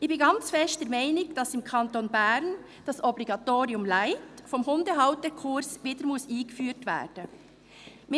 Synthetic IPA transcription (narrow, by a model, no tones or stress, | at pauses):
ʔɪçb̥ɪnɡɑnt͡sfɛʃt̚d̥ɛɾmaɪnɪɡd̥ɑsɪmkʰɑntonbæɾn | d̥ɑsɔbliɡɑtoːɾiʊmlaɪtfɔmhʊndəɦaʊtdəkʰʊɾsʋiːdəɾmʊsiːɡəfyːɾtvɛ̰ːd̥ə | mɪ